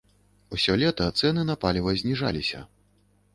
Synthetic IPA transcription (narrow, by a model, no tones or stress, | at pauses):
usʲɔlʲɛt̪ɐt̪sɛnɨnapalʲivɐzʲnʲiʐa̰lʲisʲɐ̰